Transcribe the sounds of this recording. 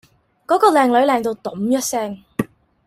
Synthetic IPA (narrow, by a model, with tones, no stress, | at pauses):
kɔː˨˥kɔː˧lɛː˨ŋlɵ˨˥ɥlɛː˨ŋt̪o˧wt̪ɔ˨˥mjɐ˥t̚sɛː˥ŋ